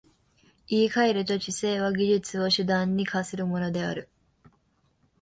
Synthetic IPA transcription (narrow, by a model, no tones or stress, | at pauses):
iːkaeɾɯ̟t̪o̞t͡ɕise̞ːβ̞aɡʲiʑɨt͡sɨo̞ɕɨd̪ãɲ̟ːikasɨɾɯ̟mo̞no̞d̪e̞a̰ɾɯ̟